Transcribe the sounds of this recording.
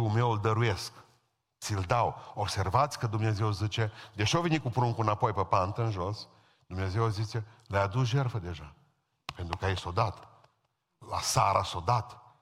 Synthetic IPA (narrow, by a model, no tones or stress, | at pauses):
ume̞wld̪əɾuje̞sk | t̪sild̪awobse̞rvat̪sʲkəd̪umne̞ze̞wzit͡ʃe̞d̪eʃiovenikupɾuŋkunapo̞jpəpant̪əɨnʒo̞s | d̪umne̞ze̞wazit͡ʃe̞ləjad̪usʒe̞rfəd̪e̞ʒa | pe̞nt̪ɾukajeso̞d̪at̪ | lasaɾʔaso̞d̪at̪